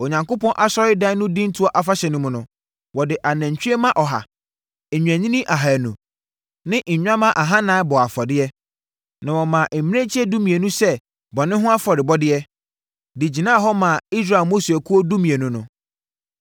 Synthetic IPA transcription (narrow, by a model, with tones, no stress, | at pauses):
o˨ɲã˨ŋko˦pɔ̃˦nʔa˦sɔ˦ɾɪ˦dã˦nʊ̃˦dĩ˦n̩˦tʰu˦ɔ˦ʔa˨fa˦ɕɛ˨nʊ̃˦mʊ̃˨nʊ̃˨ | wɔ˨dɪ˨ʔa˨nãæ̃˨ɲ˨t͡ɕᶣi˦ɛ˦mã˦ʔɔ˨ɦa̰˨ | e˨ɲᶣ˨æ̃˨ɲĩ˦nĩ˦ʔa˨ɦa˨nũ˨ | nɪ̃˦ʔɲ̩˨ɲᶣ˦ã˦mã˦ʔa˨ɦã˦nãː˨˦bɔ˨a˨fɔ˨dɪ˦ɛ˦ | nã˨wɔ˨mã˨ʔe˨m̃˦ẽ˦t͡ɕʰi˦ɛ˦du˦mĩ˨e˨nũ˦sɛ˦ | bɔ˨nɪ̃˦ɦʊ̃˦a˦fɔ˨ɾɪ˨bɔ˦dɪ˦ɛ˦ | dɪ˨d͡ʑi˨nãː˦˨ɦɔ˦mã˨i˦sɾa˨lmo˦si˨æ˨kʰu˦o˦du˦mĩ˨e˨nʊ̃˦nʊ̃˨